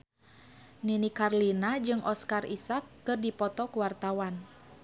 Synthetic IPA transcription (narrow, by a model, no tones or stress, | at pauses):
ninikarlinad͡ʒɨŋʔɔskarisakːɨrdipɔt̪ɔkuwart̪awan